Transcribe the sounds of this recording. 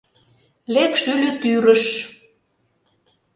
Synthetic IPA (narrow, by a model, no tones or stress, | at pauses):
lekʃylʲyt̪yɾə̆ʃ